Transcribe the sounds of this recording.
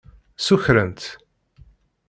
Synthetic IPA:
suçɾənt̪

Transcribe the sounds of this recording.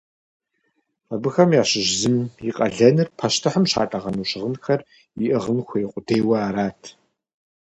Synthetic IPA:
qɐbɨxɐmjaːɕɪʒzɨmjiqʼɐɮɐnɨrpʰɐʃtʰɨħəmɕa̰ːtʼɐʁɐnuːɕɪʁənxɐr | iʔɨʁənxʷʰejqʷʼʊdeːwɐaːɾaːtʰ

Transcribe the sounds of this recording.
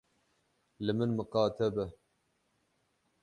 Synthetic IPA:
lɨmɨnmɨqɑːt̪ʰɛbɛ

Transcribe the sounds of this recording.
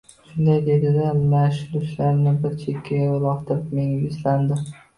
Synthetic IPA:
ʃʊnd̪ajd̪e̞d̪ɪd̪amaʃɪlʊʃlaɾnɪbɪɾt͡ʃʰe̞kʲʰːajaʊlˠɒqt̪ʰɪɾɪpme̞ŋaɪsland̪ɪ

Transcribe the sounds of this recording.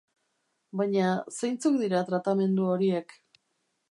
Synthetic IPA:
bajɲasejnt͡suk̚d̪iɾat̪ɾat̪ame̞nd̪uo̞ɾie̞k

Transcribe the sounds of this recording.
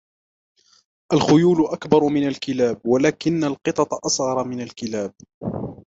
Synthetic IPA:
ʔalxʊjuːlʊʔakbɑɾˤmɪnalkɪlaːb̚walaːkɪnːalqɨt̪ˤɑt̪ˤɑʔɑsˤɣɑɾˤmɪnalkɪlaːb̚

